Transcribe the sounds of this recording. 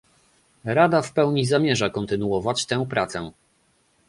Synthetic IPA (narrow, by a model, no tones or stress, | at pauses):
ɾad̪afpɛwɲizamʲjɛʐakɔnt̪ɘnuɔvat͡ɕt̪ɛ̃w̃pɾat̪sɛ